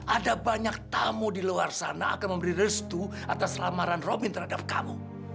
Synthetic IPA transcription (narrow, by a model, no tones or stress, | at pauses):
ʔadabaɲak̚t̪amodiluarsa̰na̰ːkanməmbəɾirəst̪u | a̰t̪aslamaɾanrobint̪ərhadap̚kamu